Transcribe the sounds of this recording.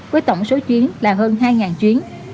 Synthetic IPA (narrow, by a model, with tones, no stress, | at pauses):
vəː˨˦jt̪ə˧˩wŋ͡mso˨˦t͡ɕwi˨˦ənlaː˨˩ɦəː˧nɦaː˧jŋaː˨˩nt͡ɕwi˨˦ən